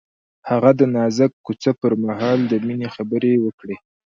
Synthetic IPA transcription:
haɣad̪ənɑzəkːut͡səpəɾmaɦɑld̪əminexabəɾewəkɽe

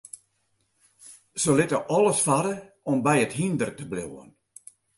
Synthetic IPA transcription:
z̥əlɪtəʔɔlˠəsfaɾə | ɔmbɛjəthindərtəblo̰wə̰n

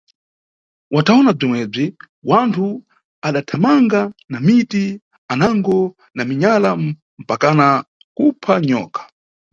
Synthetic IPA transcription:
wataɔnab͡ʐimwɛb͡ʐi | wantʰu | aɗatʰamaŋɡanamiti | anaŋɡɔ | namiɲala | m̩pakana | kupʰaɲɔ̰ːkḁ

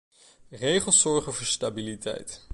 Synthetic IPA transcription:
rejχəlˠsɔɹχənvoːɹstabilitʰɛ̰jt

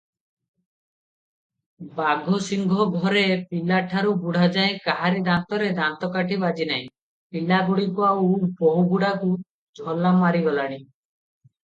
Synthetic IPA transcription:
baɡʱɔsiŋɡʱɔɡʱɔɾepilaʈʰaɾubuɽʱad͡ʒaẽkaɦaɾed̪ant̪ɔɾed̪ant̪ɔkaʈʰibad͡ʒinaĩ | pilaɡuɽikuawboɦuɡuɽaku | d͡ʒʱɔlːamaɾibɔlaɽ̃i

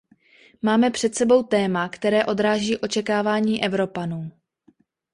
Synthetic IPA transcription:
maːmɛpr̝̥ɛt̪sɛbo̞wt̪ɛːmakt̪ɛɾɛːʔo̞d̪ɾaːʒiːʔo̞t͡ʃɛkaːvaːɲiːʔɛvɾo̞panuː

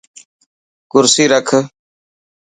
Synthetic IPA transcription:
kʊɾsiːɾəkʰ

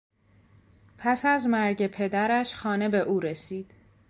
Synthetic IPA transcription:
pʰæsæzmæɾɟe̞pʰe̞d̪æɾæʃxɒːne̞be̞ʔuːɾe̞siːd̪̥

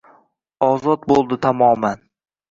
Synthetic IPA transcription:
ɒzɒt̪̚bolˠd̪ɪt̪ʰamɒman

